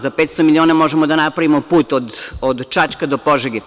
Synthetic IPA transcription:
zapet̪st̪omilʲioːnamo̞ʒemod̪anapɾaʋimopuːt̪od̪od̪t͡ʃat͡ʃkad̪opo̞ʒeɡe

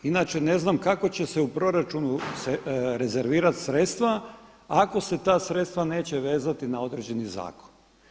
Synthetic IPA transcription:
inat͡ʃene̞znamkako̞t͡ɕe̞seupɾo̞ɾat͡ʃunusɾeze̞ɾʋiːɾat̪sɾe̞t̪st̪ʋa | ako̞se̞t̪aːsɾet̪st̪ʋane̞ːt͡ɕe̞ʋe̞ːzat̪inao̞d̪ɾed͡ʑe̞niza̰ːko̥n

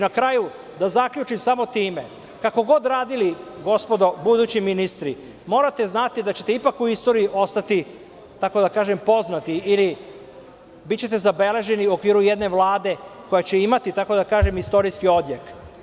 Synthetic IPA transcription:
inakɾaju | d̪azakʎut͡ʃimsamo̞t̪iːme̞ | kako̞ɡo̞d̪ɾaːd̪iliɡo̞spo̞d̪o̞bud̪uːt͡ɕiminist̪ɾi | mo̞ːɾat̪e̞znat̪id̪at͡ɕe̞̥t̪eipakuist̪o̞ɾiiʔo̞st̪at̪i | t̪ako̞d̪akaːʒe̞mpo̞znat̪iili | bit̪t͡ɕe̞t̪e̞zabe̞le̞ʒe̞niuo̞kʋiːɾujed̪ne̞ʋlˠaːd̪e̞ko̞jat͡ɕe̞imat̪it̪ako̞d̪akaːʒe̞mist̪o̞ɾiskio̞d̪jek

